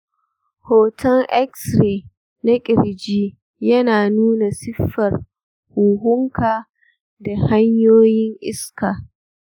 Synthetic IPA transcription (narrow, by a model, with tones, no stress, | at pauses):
hoː˨tʰɐ˦lʔɛ˦ksɾeː˨ | na˦kʲʼɪ˨ɽd͡ʒiː˦ | jɐ˦naː˨nuː˦na˨sɪ˦ɸːɐ˨r | huː˨ɦʊ˦ŋkaː˨ | da˨ha˦ɲjoː˦jɪ˦ŋʔɪ˦skaː˨